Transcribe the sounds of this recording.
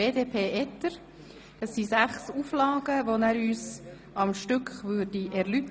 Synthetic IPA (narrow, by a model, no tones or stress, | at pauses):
eːdeːpʰeːʔɛt̪ːəɾ | d̥ɑsːisæχsuːflɑːɡ̥əvonæːɾyːs | ɑmʃtʏkχʋʉːɾdiʔɛɾlyt̪